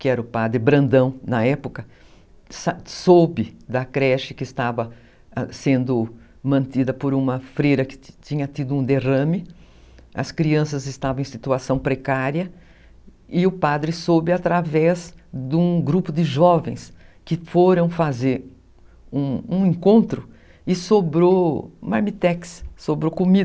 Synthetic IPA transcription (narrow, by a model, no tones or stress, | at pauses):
kɪɛɾɐʊpad̪ɾɪbɾɐ̃nd̪ɐ̃w̃nɐɛpʊkɐ | sasobɪd̪ɐkɾɛʃɪkɪːst̪avɐ | sẽnd̪ʊ | mɐ̃nt̪id̪ɐpoɾũmɐfɾejɾɐkɪ̥t͡ʃ̪ĩɲɐt̪id̪ʊũd̪eʁɐ̃mɪ | ɐ̰skɾiɐ̃s̬ɐzɪst̪avɐ̃ẽsit̪uasɐ̃w̃pɾekaɾjɐ | ɪʊpad̪ɾɪsobɪat̪ɾavɛzd̪ũɡɾupʊd̪ɪʒɔvẽj̃skɪfoɾɐ̃w̃fazeɾ | ũũẽŋkõnt̪ɾʊ | ɪsobɾomaɾmit̪ɛkssobɾokomid̪ɐ